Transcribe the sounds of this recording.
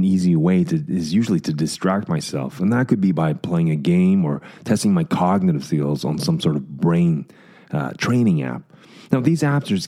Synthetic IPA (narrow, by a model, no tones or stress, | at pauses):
niziweɪɾɨɪzjʉʒl̩ˠiɾɨdɨstɹ̥æk̚t̚maɪsɛ̰lˠfə̃nðət̚kɨd̚bibaɪpʰl̥eɪɪ̃ŋɨɡẽɪ̃mə˞tʰɛstɪ̃ŋmaɪkʰɑɡ̚nɨɾɨv̥θilˠzn̩sʌ̃msɔɹɾʌvbɹẽɪ̃n | tʰɹ̥ẽɪ̃ɾ̃ɪ̃ŋæ̰p̚ | naʊðizæp̚tə˞z̥